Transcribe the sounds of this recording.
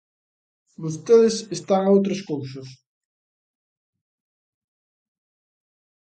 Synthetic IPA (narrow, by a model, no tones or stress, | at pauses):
bost̪eðɪsest̪aŋaowt̪ɾɐskowsɐs